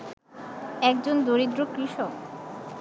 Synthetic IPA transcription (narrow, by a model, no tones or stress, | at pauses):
ɛk̚d͡ʑond̪oɾid̪ɾokɾiʃok